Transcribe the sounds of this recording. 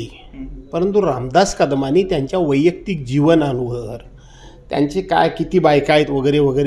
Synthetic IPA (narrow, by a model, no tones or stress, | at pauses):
i | pəɾənt̪uɾamd̪askad̪maniːt̪jaɲt͡ɕjaʋəjək̚t̪ik̚d͡ʑiʋənanuɡəɾ | t̪ja̰ɲt͡ɕeka̰jkit̪iːbajkajt̪ʋəɡəjɾeʋəɡəjɾ